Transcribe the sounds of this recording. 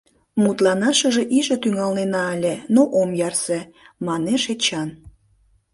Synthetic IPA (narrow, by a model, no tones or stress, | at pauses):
mut̪lɑnɑʃəʒeʔiʒət̪yŋɑlnenɑelʲenoʔomjɑrse | mɑneʃet͡ɕɑn